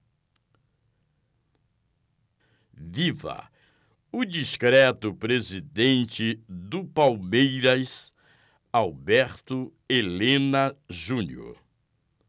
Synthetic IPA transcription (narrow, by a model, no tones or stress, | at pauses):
vivɐ̰ | ʊd͡ʒiʃkɾɛt̪ʊpɾezid̪ẽnt͡ʃɪd̪ʊpawmejɾɐs | awbɛɾt̪ʊelẽnɐʒũnjʊ̰